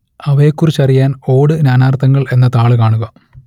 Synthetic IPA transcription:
ɐʋɐjekːurit͡ɕːɐrijaːno̞ːɽɨnaːnaːrt̪ʰːɐŋːɐɭe̞nːɐt̪aːɭɨkaːɳuɣɐ

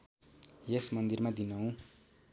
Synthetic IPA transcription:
jesmʌnd̪irmad̪inʌɦũ

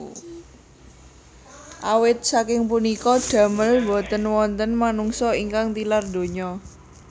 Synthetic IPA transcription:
ʔawɪt̪̚sakɪŋpunikɔɖ̥ä̤məlbot̪ənwɔnt̪ənmanuŋsɔiŋkaŋt̪ilard̪o̤ɲɔ

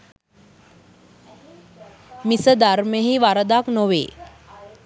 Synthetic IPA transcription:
misəd̪aɾməɦiʋaɾəd̪aknoʋḛː

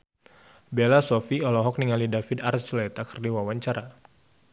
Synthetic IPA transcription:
belasɔfiɔlɔɦɔk̚niŋalidafid̪arsulɛt̪akə̥rdiwawaɲt͡ʃaɾa

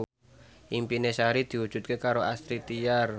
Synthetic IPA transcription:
ʔimpinesaɾid̪̥i̤wud̥ʒ̥ṳt̪̚kekaɾoʔast̪ɾit̪iar

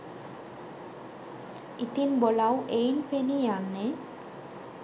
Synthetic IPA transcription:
it̪inbolawʔejnpʰenijanːe

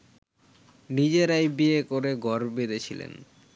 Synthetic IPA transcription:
nid͡ʑeɾajbiekoɾeɡɔɾbed̪et͡ɕʰilḛn

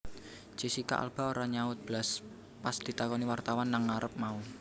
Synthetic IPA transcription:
t͡ʃisika̰ʔa̰lb̥a̤oɾaɲaʊt̪̚b̥las | pasd̪̥i̤t̪akɔniwart̪awanːaŋːaɾəp̚mau

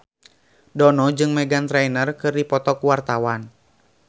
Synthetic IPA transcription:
dɔnɔd͡ʒɨŋmɛɡant̪ɾɛinərkɨrdipɔt̪ɔkuwart̪awan

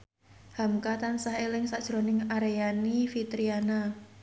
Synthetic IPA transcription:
hamkat̪ansaɦelɪŋsḁʒ̥ɾo̤nɪŋaɾejanifit̪ɾiana

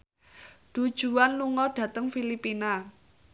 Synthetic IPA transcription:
ɖ̥ud̥ʒ̥ṳanːuŋɔɖ̥ä̤t̪əŋfilipina

